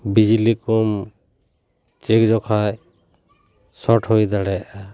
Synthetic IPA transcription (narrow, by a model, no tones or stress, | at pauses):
bid͡ʒilikɔm | t͡ʃekd͡ʒɔkʰaj | sɔʈʰhojd̪aɽɛaʔa